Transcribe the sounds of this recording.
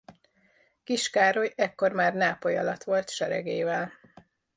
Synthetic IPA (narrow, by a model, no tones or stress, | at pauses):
kiʃkaːɾo̞jɛkːo̞rmaːrnaːpojɒlɒt̪ʋo̞lt̪ʃɛɾɛ̰ɡeːvɛl